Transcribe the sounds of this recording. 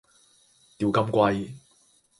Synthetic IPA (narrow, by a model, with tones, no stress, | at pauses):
t̪iː˨˧wkɐ˧mkʷɐ˧j